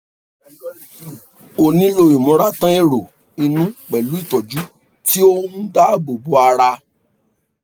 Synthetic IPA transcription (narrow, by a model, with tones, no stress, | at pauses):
o˨nĩ˧˦lo˧˨i˨mɔ̃˨˧ɾa˦tã˦e˦˨ɾo˨ | i˧nũ˦k͡pɛ˨lu˦i˦˨tɔ˨d͡ʒu˨˦ | ti˦o˦mũ˦da˦˨bo˨bo˨˦a˧ɾa˧